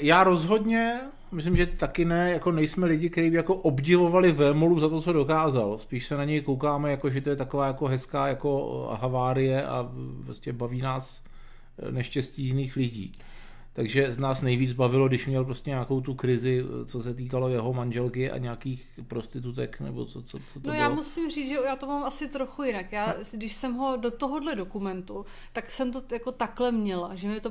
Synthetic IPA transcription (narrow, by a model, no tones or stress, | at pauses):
jaːɾo̞zɦo̞dɲɛ | mɪs̬lɪmʒɛt̪akɪnɛjako̞nɛjsmɛlɪɟɪkt̪ɛɾiːbɪjako̞ʔo̞bɟɪvo̞valɪvɛːmoluzat̪o̞t͡so̞do̞kaːzalspiːʃsɛnaɲɛjkowkaːmɛjako̞ʒɛt̪o̞jɛt̪ako̞vaːjakoɦɛskaːjako̞ɦavaːɾɪjɛʔa̰pɾoscɛbaviːnaːs | nɛʃcɛscijɪniːxlɪɟḭː | t̪aɡʒɛnaːsnɛjviːd͡zbavɪlo̞ɡdɪʃmɲɛlp̬ɾoscɛɲako̞wt̪ukɾɪzɪt͡sosɛt̪̬iːkalo̞jɛɦo̞manʒɛlkɪʔa̰ɲaakiːx | pɾo̞st̪ɪt̪ut̪ɛknɛ̰bo̰t͡sot͡sot͡sot̪nojaːmusɪmriːt͡sʒɛjaːt̪omaːmʔasɪt̪ɾo̞xujɪnakjaːɡdɪʃsɛmɦo̞dot̪oɦodlɛdo̞kumɛnt̪u | t̪aksɛmt̪ojako̞t̪aklɛmɲɛlaʒɛmɪt̪o